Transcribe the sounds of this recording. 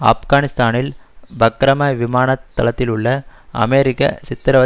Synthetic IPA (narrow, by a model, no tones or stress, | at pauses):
a̰ːfɡaːnɪst̪aːnɪlbɐkɾɐmɐʋɪmaːnɐt̪ːɐlɐt̪ːɪlʊɭːɐɐ̰meːɾɪkːɐ̰sɪt̪ːɐɾɐʋɐ